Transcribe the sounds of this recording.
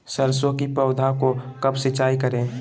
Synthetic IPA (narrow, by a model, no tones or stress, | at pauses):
səɾsõkipɐʊd̪ʱakokɐbsɪt͡ʃaːikəɾẽː